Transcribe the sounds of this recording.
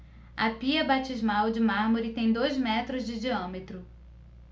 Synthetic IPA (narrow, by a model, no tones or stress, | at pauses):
ɐpiɐbat͡ʃizmawd͡ʒɪmaɾmoɾɪt̪ẽj̃d̪ojzmɛt̪ɾʊzd͡ʒɪd͡ʒiɐ̃met̪ɾʊ